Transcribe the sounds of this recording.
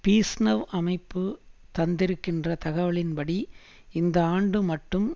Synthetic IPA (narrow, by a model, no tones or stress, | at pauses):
piːsnɐʋʔɐmɐɪpːɯt̪ɐnd̪ɪɾɯkːɪndrɐt̪ɐɣɐʋɐɭɪnpɐɽi | ɪnd̪ɐaːɳɖɯmɐʈːɯm